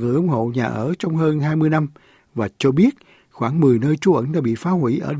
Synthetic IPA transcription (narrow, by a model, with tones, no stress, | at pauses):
ŋɨ̰˧˨jʔʊ˨˦ŋ͡mho̰˧˨ɲaː˨˩ʔəː˧˩t͡ɕɔ˧wŋ͡mɦəː˧nɦaː˧jmɨ˧əjna˧m | vaː˨˩t͡ɕɔ˧ɓi˦˥ət̚ | xwaː˧˩ŋmɨ˨˩əjnəː˧jt͡ɕu˨˦ʔə˧˥nɗaː˧˦˥ɓḭ˧˨faː˨˦hwi˧˩˦ʔəː˧˩